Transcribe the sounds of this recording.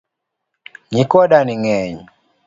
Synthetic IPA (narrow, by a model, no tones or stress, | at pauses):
ɲikɔɗaniŋɛɲ